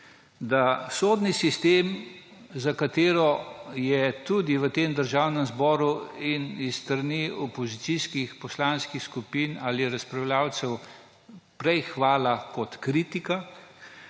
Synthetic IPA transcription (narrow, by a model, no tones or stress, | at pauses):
d̪asoːd̪nisist̪eːm | zakat̪eːɾɔjɛt̪ud̪iʋət̪eːmd̪əɾʒaːwnɛmzbɔːɾuinisːt̪ɾaniɔpɔzit̪siskixpɔslanskixskupiːnaːliɾɐspɾawljaːwt̪sɛw | pɾɛjxʋaːlakɔt̪kɾiːt̪ika